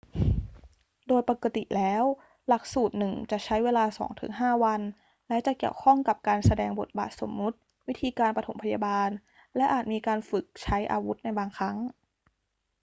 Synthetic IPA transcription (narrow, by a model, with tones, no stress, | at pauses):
doː˧jpa˨˩ka˧t̪ḭ˨˩lɛː˦˥w | la˨˩k̚suː˨˩t̪̚nɯ˨˩ŋt͡ɕa˨˩t͡ɕʰa˦˥jweː˧laː˧sɔ̰ː˩˦ŋt̪ʰɯ̰˩˦ŋɦaː˥˩wa˧n | lɛ˦˥t͡ɕa˨˩ki˨˩əwkʰɔ˥˩ŋka˨˩p̚kaː˧nsa˧dɛː˧ŋbo˨˩t̪̚ba̰ː˨˩t̪̚so̰˩˦mnu˦˥t̪̚ | wi˦˥t̪ʰiː˧kaː˧npa˧t̪ʰo̰˩˦pʰa˧ja˧baː˧n | lɛ˦˥ʔaː˨˩t̪̚miː˧kaː˧nfɯ˨˩k̚t͡ɕʰa˦˥jʔa̰ː˧wu˦˥t̪̚na˧jbaː˧ŋkʰa˦˥ŋ